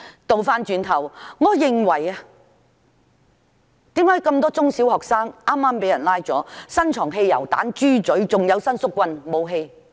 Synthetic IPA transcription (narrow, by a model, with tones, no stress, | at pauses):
t̪o˨wfaː˥nt͡ʃyː˨˧nt̪ʰɐ˨˩wŋɔː˨˧jɪ˨ŋwɐ˨˩ja˧ | t̪iː˨˥mhaː˨˥jkɐ˧mt̪ɔː˥t͡sʊ˥ŋsiː˨˥whɔː˨k̚saː˥ŋʔaː˥mːaː˥mpe˨˥jɐ˨˩nlaː˥jt͡sɔː˨˥sɐ˥nt͡ʃʰɔː˨˩ŋɦe˧jjɐ̰˨˩wt̪a̰ː˨˥nt͡ʃyː˥t͡sɵ˨˥ɥt͡sʊ˨ŋjɐ˨˧wsɐ˥nsʊ˥kːwɐ˧nmo˨˧wɦe˧j